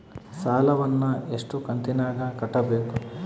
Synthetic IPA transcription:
saːlɐʋɐnːueʂʈukɐnt̪inaːɡɐkɐʈːɐbeːku

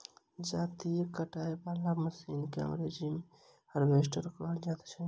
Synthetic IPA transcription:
d͡ʒat̪ikəʈaebalaɡməsinkeə̰mɾed͡ʒim | həɾbesʈəɾkəld͡ʒat̪t͡ʃʰə

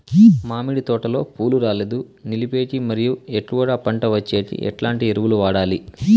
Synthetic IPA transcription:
maːmiɽit̪ɔːʈɐlo̞ːpʰuːluɾaːled̪u | nilipe̞ːʈimɐɾijueʈːuʋɐɽaːpɐɳʈɐʋɐt͡ʃːe̞ːsḭʔɛ̰ʈlaːɳʈieɾuʋuluʋaːɽaːli

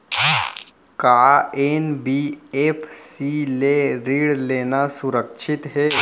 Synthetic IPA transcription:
kaenbieːpʰsileɾiːɽleːnasʊɾəkʃʰɪt̪ɦɛː

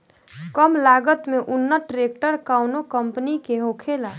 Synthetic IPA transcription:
kəmlaɡət̪meʔʊnːəʈɾek̚ʈəɾkawnokəmpənikeɦokʰela

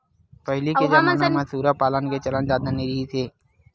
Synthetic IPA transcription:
pəɦliked͡ʒamnamɐ̃suːɾapaːlənket͡ʃələnd͡ʒaːd̪aniɾiisʰeː

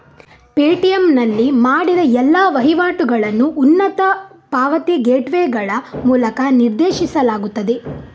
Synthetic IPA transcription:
peːʈijɐmnɐlːimaːɽid̪ɐɛlːaːʋɐɦiʋaːʈuɡɐɭɐnːuʔːnːɐt̪ɐpaːʋɐt̪iɡeːʈʋeːɡɐɭɐmuːlɐkɐniɾd̪eːʃisɐlaːɡut̪ːɐd̪e

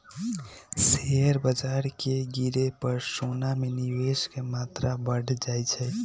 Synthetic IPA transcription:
seɦəɾbəd͡ʒaɾkeɡiɾepəɾsonameniweskemat̪ɾabəɽ̤d͡ʒajt͡ʃʰɛ

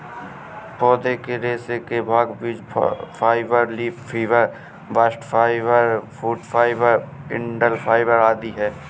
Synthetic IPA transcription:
pɔːd̪ekeɾeːsekebʱaːɡbiːd͡ʒpʰaːɪbəɾliːppʰiːʋəɾ | bəsʈfʰaːɪʋəɾfʰuːʈfʰaːɪbəɾɪ̰ɳɖəlpʰaːɪʋəɾaːd̪iɦɛː

